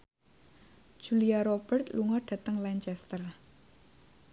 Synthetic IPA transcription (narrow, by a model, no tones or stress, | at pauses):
d̥ʒ̥uliaɾob̥ərt̪luŋɔɖ̥a̤t̪əŋlaɲt͡ʃɛst̪ər